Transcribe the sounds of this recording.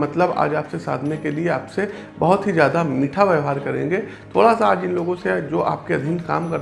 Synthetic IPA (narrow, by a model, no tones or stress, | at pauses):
mɐt̪ləba̰ːd͡ʒaːpsesa̰ːd̪ʱnekelieaːpse | bɐɦʊt̪ɦizjaːd̪amiːʈʰaʋjəɦaːɾkɐɾḛ̃ːŋɡeːt̪ʰo̰ːɽasaaːd͡ʒɪnloːɡõsed͡ʒoːʔa̰ːp̚keɐd̪ʱɪnka̰ːmkɐɾ